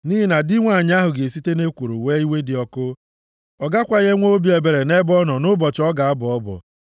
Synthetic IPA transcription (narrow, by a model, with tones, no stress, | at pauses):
niː˦ɦi˨na˨di˦ŋʷa˦˨ɲ˦a˦ɦʊ˨ɡe˨e˨si˦te˦ne˦kʷo˨ɾo̰˨we˦i˦we˦dɪ˨ɔ˦kʊ˦ | ɔ˨ɡa˦kʷa˨ɣe˦ŋʷo˦o˦bi˨˦e˨be˨ɾe˨ne˦bɔ˦nɔ˨nʊ˦bɔ˨t͡ʃɔ˦ɡa˨a˦bʊ˨ɔ˦bɔ̰˨